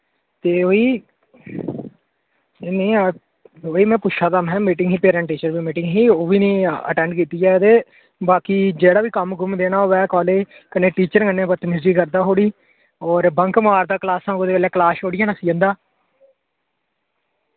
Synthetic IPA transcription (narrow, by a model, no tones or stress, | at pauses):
t̪eːoːiː | nẽː | oːiːmɛ̃ːpʊt͡ʃʰaːt̪amɦɛ̃ːmiːʈɪ̃ŋɡɦiːpeːɾɛ̃ɳʈiːt͡ʃəɾʋiːmiːʈɪŋɡɦiːoːʋiːnĩːə̰ʈɛ̃ːɳɖkiːt̪iːɛːt̪eː | baːkiːd͡ʒeːɽaːʋiːkəmɡʊmd̪eːnaːoːʋɛːkɔːleːkəneːʈiːt͡ʃəɾkənːẽːbət̪nɪsɾiːkəɾd̪aːɦoːɽiː | ɔːɾbə̃ŋkmaːɾd̪aːklaːsãːŋɡoːd̪eːʋeːleːklaːsoːɽɪjaːnaːsiːə̃nd̪aː